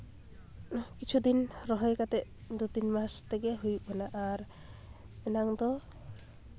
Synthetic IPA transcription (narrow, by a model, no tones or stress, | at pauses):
kit͡ʃʰud̪inɾɔɦɔjkat̪ɛʔd̪ut̪inmast̪ɛɡɛɦujuʔɔnaʔaɾ | ɛnaŋd̪ɔ